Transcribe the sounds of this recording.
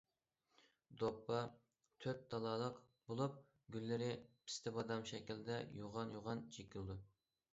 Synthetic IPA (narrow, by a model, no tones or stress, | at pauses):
d̪opːɑ | t̪ʰøp̚d̪ɑlˠɑːlˠəq | bolˠup̚ | ɡʲylːɪɾɪpʰɪ̥st̪ʰɪbɑd̪ɑmʃɛkʲild̪ɛjuʁɑnjoʁɑnt͡ʃʰekʲʰild̪u